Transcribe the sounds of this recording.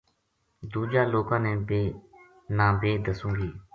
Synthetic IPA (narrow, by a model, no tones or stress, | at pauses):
d̪uːd͡ʒaːloːkãːnẽːbeː | nãːbeːd̪əsũːɡiː